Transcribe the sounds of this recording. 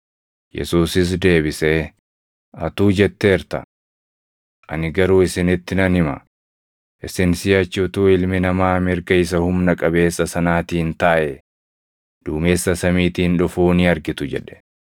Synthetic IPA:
jɛ̰suːsɪs̬d̪e̞ːbɪse | ɐt̪uːd͡ʒɛt̪ːeːɾt̪ɐ̰ | ʔɐ̰nɪɡɐɾuːɪsɪnɪt̪ːɪnɐnhɪmɐ̰ | ʔɪsɪnsɪɐt͡ʃːuːt̪uːɪlmɪnɐmaːmɪɾɡɐɪs̬ɐhʊmnɐkʼɐbe̞ːsːɐsɐnaːt̪iːnt̪aːʔɛ | d̪̥uːme̞ːsːɐsɐmiːt̪iːnᶑʊfuːnɪɐɾɡɪt̪ʊd͡ʒɛᶑɛ̥

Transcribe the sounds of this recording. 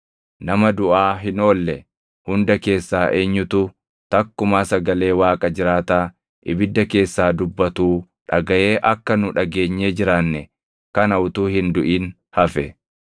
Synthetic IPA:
nɐmɐd̪ʊʔaːɦɪno̞ːlːɛ | hʊnd̪ɐke̞ːsːaːʔeːɲːʊt̪u | t̪ɐkːʊmaːsɐɡɐle̞ːwaːkʼɐd͡ʒɪɾaːt̪aː | ʔɪbɪd̪ːɐke̞ːsːaːd̪ʊbːɐt̪uː | ᶑɐɡɐʔe̞ːʔɐkːɐnʊᶑɐɡe̞ːɲːeːd͡ʒɪɾaːnːɛ | kɐnɐʊt̪uːhɪnd̪ʊʔiːn | hɐfɛ

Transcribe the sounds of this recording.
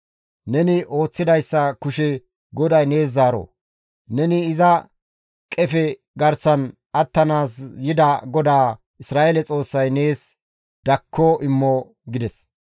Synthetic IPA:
nɛnɪʔo̞ːt͡sːɪd̪ɐjsːɐkʊʃɛ | ɡɔd̪ɐjne̞ːs̬ːaːɾo̰ | nɛnɪːzɐ | kʼɛfɛ | ɡɐɾsɐn | ʔɐt̪ːɐnaːsjɪd̪ɐɡɔd̪aː | ɪsɾaːʔelɛt͡sʼo̞ːsːɐjne̞ːs | d̪̥ɐkʰːoʔɪmːɔ | ɡɪd̪ɛs

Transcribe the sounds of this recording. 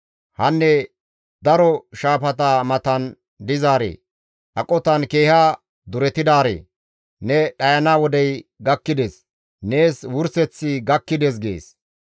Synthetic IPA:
hɐnːɛ | d̪ɐɾɔʃaːpɐt̪aːmɐt̪ɐn | d̪ɪzaːɾḛː | ʔɐkʼɔt̪ɐnke̞ːhaː | d̪ʊɾɛt̪ɪd̪aːɾḛː | nɛɗɐjɐnaːwɔd̪ɛjɡɐkːɪd̪eːs | ne̞ːswʊɾsɛt͡sːɪɡɐkːɪd̪eːs̬ɡḛːs

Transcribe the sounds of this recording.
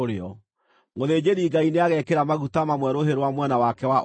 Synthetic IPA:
oɾeɔ | moðeːd͡ʑeɾiːɡaineaɣɛkeɾamaɣutamamwɛɾoɦeɾwamwɛnawakɛwaʔ

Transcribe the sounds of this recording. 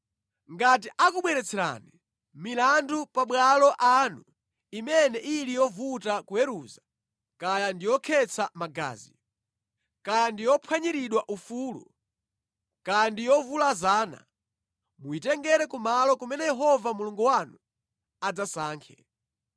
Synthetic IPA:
ŋɡatiʔakuɓwɛɾɛt͡sʰɛɾa̰ni | milandupaɓwalɔʔanu | imɛnɛʔilijɔvutakuɛɾuza | kajandijɔkʰɛt͡sʰamaɡa̰ːzi | kajandijɔpʰwaɲiɾiɗwaʔufuːlṵ | kajandijɔvulazaːna̰ | muitɛŋɡɛɾɛkumalɔkumɛnɛjɛɦɔvamuluŋɡuwanu | ad͡zasaːŋkʰɛ

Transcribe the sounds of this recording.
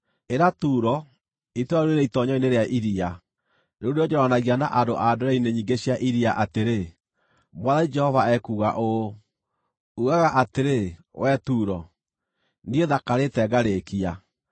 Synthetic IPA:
eɾatuɾɔ | itwaɾuɾeɾɛitɔɲɔineɾeaʔiɾia | neoɾeɔd͡ʒɛɾɔanaɣiana̰ʔadoʔadoɾaineɲiːŋɡeɕjaʔiɾiaʔateɾe | mwaðaid͡ʒɛhɔvaɛkuːɣa̰ʔo | uɣaɣaʔateɾewɛtuːɾɔ | nieðakaɾetɛɡaɾekia

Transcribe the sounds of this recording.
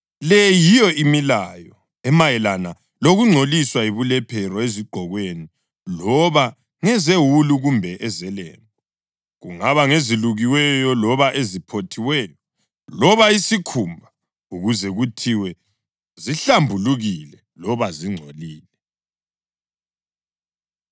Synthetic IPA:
lɛjijɔʔimilajɔ | ɛmajɛlana | loɣuŋ͡ǀʱoliswaiβulɛpʰɛɾɔeziɡ͡ǃʱɔɣweni | lɔβa | ŋɛzewuluɣumbʱɛʔɛzɛlɛ̰ːmbɔ | ɣuŋaβaŋeziluɣiwɛjɔlɔβaʔezipʰotʰiwɛːjɔ | lɔβaisikʰumbʱa | uɣuzɛɣutʰiwɛ | ziɬambʱuluɣilɛ | lɔβaziŋ͡ǀʱoliːlɛ

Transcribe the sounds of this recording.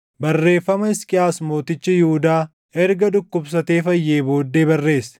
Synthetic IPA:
bɐrːe̞ːfːɐmɐɪskʼɪjaːsmo̞ːt̪ɪt͡ʃːɪjɪʊd̪aː | ɛɾɡɐd̪ʊkːʊbs̬ɐt̪e̞ːfɐjːe̞ːbo̞ːd̪ːe̞ːbɐrːe̞ːsɛ̥

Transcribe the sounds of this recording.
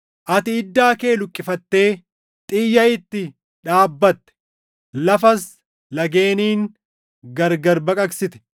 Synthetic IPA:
ʔɐt̪ɪɪd̪ːaːke̞ːlʊkʼːɪfɐt̪ːe̞ː | t̪ʼɪːjːɐɪt̪ːɪ | ᶑaːbːɐt̪ːɛ̥ | lɐfɐs | lɐɡe̞ːniːŋ | ɡɐɾɡɐɾbɐkʼɐksɪt̪ɛ̥

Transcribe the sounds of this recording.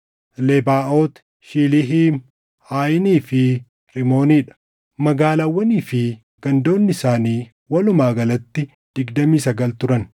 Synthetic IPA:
lebaːʔoːt̪ | ʃiːlɪɦiːm | haːjɪniːfɪ | ɾɪmo̞ːniːᶑɐ̥ | mɐɡaːlawːɐniːfɪ | ɡ̥ɐnd̪o̞ːnːɪsaːniː | wɐlʊmaːɡɐlɐt̪ːɪ | d̪̥ɪɡd̪ɐmiːsɐɡɐlt̪ʊɾɐn

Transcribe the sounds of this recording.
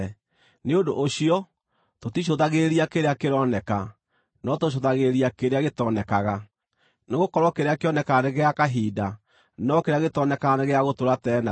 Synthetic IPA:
neodo̰ʔːɕiɔ | totiɕ̬oðaɣeɾiakeɾeakeɾɔnɛka | nɔtoɕ̬oðaɣeɾiakeɾeaɣetɔnɛkaɣa | neɣokɔɾɔkeɾeakeɔnɛkaneɣeakaɦiːda | nɔkeɾeaɣetɔnɛkaɣaneɣeaɣotoɾatɛna

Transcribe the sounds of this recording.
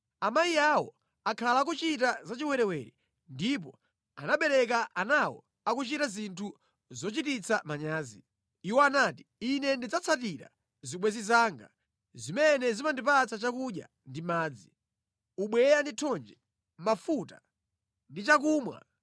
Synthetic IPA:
amajiawɔ̰ | akʰalak̬ut͡ʃitazat͡ʃiwɛɾɛwɛɾḭ | ndip̬ɔ | anaɓɛɾɛk̬aʔanawɔ̰ | akut͡ʃitazintʰu | zɔt͡ʃitit͡samaɲaːzḭ | iwɔanaːti̥inɛndid͡zat͡sʰatiɾa̰ | ziɓwɛzizaːŋɡa̰ | zimɛnɛzimandipat͡sʰat͡ʃakuɗja̰ | ndimaːd͡zi | uɓwɛjanditʰɔnd͡ʒɛ | mafuta̰ | ndit͡ʃakuːmwa̰

